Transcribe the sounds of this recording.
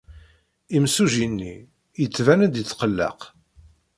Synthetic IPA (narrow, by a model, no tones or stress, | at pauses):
imsuʒinːi | jət͡sːvænæd̪jət͡sːqəlːɑ̰q